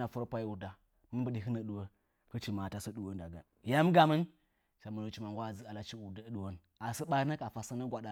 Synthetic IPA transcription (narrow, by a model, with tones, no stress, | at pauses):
a˨fu˦ɾa˦pʷa˦i˦u˨da˨ | mə˦bə˨di˨ɦə˦nə˨ɗu˨wə˦ | kə˦t͡ʃi˨ma˨ta˦so˦ɗu˨wo˦n˦da˨ɡa̰˨ | ja˦m˦ɡa˨mə˦n | ʃa˨mə˨lo˨t͡ʃi˦ma˨ŋ˨ɡʷa˦˨d͡zi˦a˨la˨t͡ʃi˦u˨dɗu˨wo˦n | a˨sə˦ɓa˦i˦na˦ka˨fa˨sa˦na˦ɡʷa˨ɗa˨